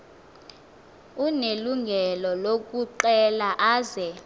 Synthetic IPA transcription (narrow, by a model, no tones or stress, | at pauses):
uneluŋɡʱɛlɔlok̬ʼuǃɛlaʔaːzɛ